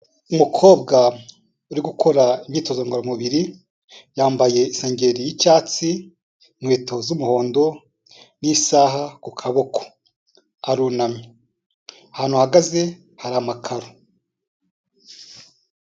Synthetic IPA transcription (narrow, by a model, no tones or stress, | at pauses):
umukʰo̞ːbɡa | uɾiɡukʰo̞ɾaimɲiːto̞zoŋɡaɾomuβiɾi | jaːmbaje̞ise̞ːɲɟe̞ɾijicaːt͡si | ŋweːto̞zumuho̞ːndo̞ | nisaːɦakukʰaβo̞kʰo̥ | aɾuːnamɲi | ahaːn̥huhaɡaze̞ | haɾamakʰaɾo